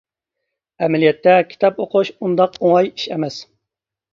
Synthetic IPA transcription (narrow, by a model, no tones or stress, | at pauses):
ɛmɛlijɛt̪ːɛkʲʰi̥t̪ʰɑpoqʰʊʃund̪ɑqoŋɑjiʃɛmɛs